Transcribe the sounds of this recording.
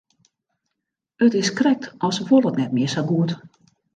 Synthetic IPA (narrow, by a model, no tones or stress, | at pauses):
øtɪskrɛk̚tɔsʋolɔtnɛt̚miːsaɡuːt